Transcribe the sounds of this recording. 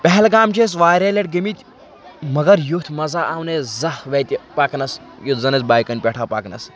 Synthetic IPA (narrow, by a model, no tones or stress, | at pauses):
pɐɦɛlɡaːmt͡ʃʰes̬ʋaːɾʲeːleʈ̚ɡɐmit̪ʲ | mɐɡɐɾjut̪ʰmɐzaːʔaːwnezɐhʋet̪ʲipaːknɐs | jut̪zɐnɐt͡sbaːjkɐnʲpʲeʈʰaːpaːknɐ̰s